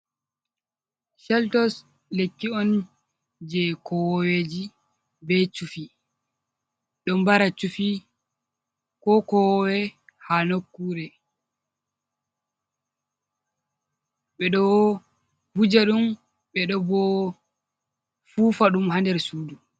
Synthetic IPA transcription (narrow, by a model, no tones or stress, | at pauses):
ʃɛltɔs | lekːiɔn | d͡ʒɛkɔwɔwed͡ʒi | bɛt͡ʃufi | ɗɔmbaɾat͡ʃufi | kɔkɔwɔwɛhanokːuɾɛ | ɓɛɗɔ | bud͡ʒaɗum | ɓɛɗɔbɔ | fuːfaɗumhandɛɾsuːdu